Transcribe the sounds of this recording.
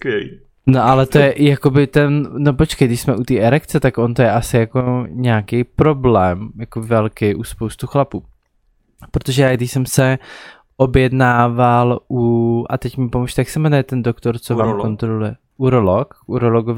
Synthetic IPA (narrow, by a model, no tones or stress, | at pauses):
no̞ʔalɛt̪ojɛʔɪjako̞bɪt̪ɛnno̞pot͡ʃkɛjdɪʃsmɛʔut̪iːʔɛɾɛkt͡sɛt̪akʔont̪ojɛʔasɪjako̞ɲɛaːkɛjpɾo̞blɛːmjakobɪvɛlkɪʔuspo̞wst̪uxlapuː | pɾot̪oʒɛjaːɡdɪʃsɛmsɛ | ʔo̞bjɛdnaːvalʔuʔat̪ɛcmɪpomuʃt̪ɛjaksɛmɛnɛjɛt̪ɛndokt̪o̞ɾt͡sovvaːmmkont̪ɾolujɛ | ʔuɾolokuɾoloɡov